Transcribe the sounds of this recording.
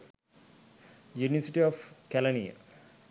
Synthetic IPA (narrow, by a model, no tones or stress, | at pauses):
juniʋəsiʈiɔfkɛlɐnḭja̰